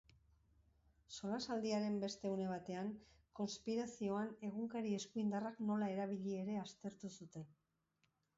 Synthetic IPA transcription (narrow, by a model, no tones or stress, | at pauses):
so̞lasald̪iaɾe̞mbe̞st̪e̞une̞β̞at̪e̞aŋko̞nspiɾasio̞ane̞ɣuŋkaɾie̞skuind̪arakno̞lae̞ɾaβ̞iʎie̞ɾe̞ast̪e̞ɾt̪usut̪e̞n